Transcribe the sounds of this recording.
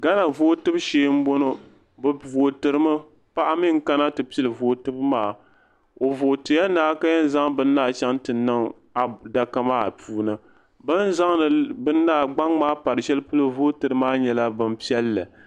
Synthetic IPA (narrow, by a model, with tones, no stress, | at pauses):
ɡa˦na˨voː˦tɨ˦bʃeː˦m̩˦bo˦no˦ | bɨ˨vo˨tɨ˨ɾɨ˦mɨ˦ | pa˦ʔa˦mɪ˦ŋ˦ka˦na˦tɨ˨pi˦i˦lɨ˨voː˨tɨ˦bmaː˨ | o˨voː˨tɨ˨˦a˦naː˦ka˦jɛ˦n˦za˦ŋbɨ˦nː˦aː˦˨t͡ʃa˦ŋtɨ˨nɨ˦ŋ | a˨da˨ka˦maː˦˨puː˨nɨ˨ | bɨ˦n˦za˦ŋnɨ˨bɨ˦nː˦aː˦˨ɡ͡ba˦ŋmaː˦pa˨ɾɨ˨ʃɛ˦lɨ˦pu˦lo˦voː˦tɨ˨ɾɨ˦maː˦ɲɛ˨la˦bɨ˦mpi˦ɛ˦lːɨ˨